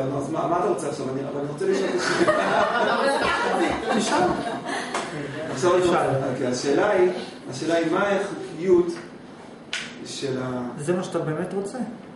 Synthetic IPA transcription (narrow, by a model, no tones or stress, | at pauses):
noazmamat̪aʁot͡seaχʃavania̰valaniʁo̞t͡seliʃataʃivi | miʃa | nasoʁiʃaakiaʃe̞ːlaiaʃeːlaimaeχijut̪ | ʃelazemaʃat̪abemet̪ʁot͡se